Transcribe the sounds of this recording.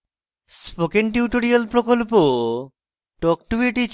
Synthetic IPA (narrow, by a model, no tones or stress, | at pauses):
spokenʈiʈoɾialpɾokolpo | ʈɔk̚ʈubiʈit͡ɕ